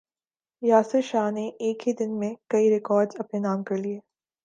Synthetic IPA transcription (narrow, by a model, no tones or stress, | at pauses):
jaːsɪʃaːɦneʔeːkɦid̪ɪnmẽkɐiɾɪkɔːɾɖzɐpnenaːmkɐɾlieː